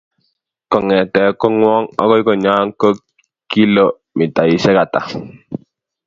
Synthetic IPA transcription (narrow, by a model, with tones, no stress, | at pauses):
kɔ˨ŋɛ˨tɛ˨˦kɔ˦ŋwɔ˦ŋɔ̰˦kɔ˦i˦kɔ˦˨ɲaː˦ŋ˦ko˦ | kːi˦lo˨ | mi˨ta˨i˨sɛ˦ka˨ta̰˨